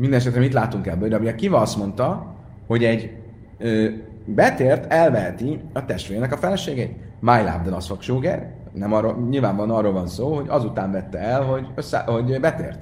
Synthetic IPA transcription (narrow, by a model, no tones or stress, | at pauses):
mind̪ɛnɛʃ̬ɛt̪ɾɛmit̪laːt̪uŋkɛlbøɾɒbijɛkivɒɒst̪mo̞nt̪ɒ | ho̞ɟɛɟ | øː | bɛt̪eːrt̪ɛlvɛɦɛt̪iɒt̪ɛʃt̪ʋeːɾnɛkɒfɛlɛʃeːɡeːt̪ | majla̰ːb̚d̪ɛnɒsfokʃoːɡɛ̰r | nɛmɒroɲilvaːɱvɒnɒrːoːlvɒnsoːho̞ɟɒzut̪aːɱvɛt̪ːɛɛlɦo̞ɟøsːɛ̰ho̞ɟbɛt̪ḛːrt̪